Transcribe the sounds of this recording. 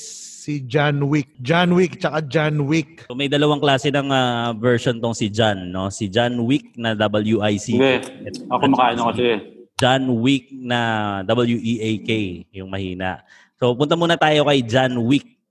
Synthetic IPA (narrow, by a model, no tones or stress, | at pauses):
sid͡ʒanwik̚d͡ʒanwik̚t͡ʃɐkad͡ʒanwik̚omɐjd̪ɐlɐwaŋklaːsɛnɐŋavɛɹʃont̪oŋsɪd͡ʒanːo̞sɪd͡ʒanwik̚nɐd̪ɐbɐljuʔajsiɡɛɛt̪ɐkomɐkaːɐnokɐɛd͡ʒanwik̚nɐd̪ɐbɐljuʔiʔejkejjʊŋmɐhiːnɐ̰ʔ | so̞pʊnt̪ɐmuːnɐt̪aːjo̞kɐjd͡ʒanwik̚